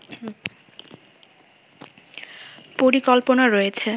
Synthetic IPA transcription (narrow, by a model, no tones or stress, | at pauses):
poɾikɔlponaɾojet͡ɕʰe